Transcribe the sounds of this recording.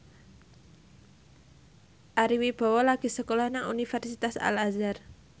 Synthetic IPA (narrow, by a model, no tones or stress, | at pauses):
ʔaɾiwib̥ɔ̤wɔlaɡ̥i̤səkolɔhnaŋṵnifɛrsit̪asa̰lazar